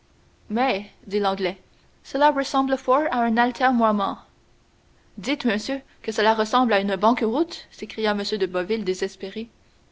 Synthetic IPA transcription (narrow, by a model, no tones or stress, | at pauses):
mɛd̪ilɑ̃ɡlɛ | səlaʁəsɑ̃bləfɔɹaɛ̃nalt̪ʰɛʁnwamɑ̃ | d̪it̪məsjø | kəsəlaʁəsɑ̃blaynbɑ̃kəʁut̪sekχijaməsjød̪əbɔvild̪ezɛspeʁe